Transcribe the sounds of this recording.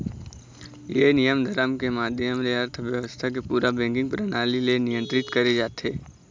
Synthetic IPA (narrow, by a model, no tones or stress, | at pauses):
jenijəmd̪ʱəɾəmkemaːd̪ʱjəmleɐɾt̪ʰʋjəʋəst̪ʰak̬epuːɾabɛ̃ːŋkɪ̃ŋɡpɾənaːlilenɪjə̃nt̪ɾɪt̪kɐɾed͡ʒaːt̪ɦeː